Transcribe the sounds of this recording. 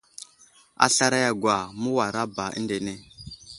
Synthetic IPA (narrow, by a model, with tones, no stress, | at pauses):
a̰˨ɬa˦ɾa˦ja˨ɡwa˨mu˦wa˨ɾa˦ba˨ʔḭ˦nde˨ne˦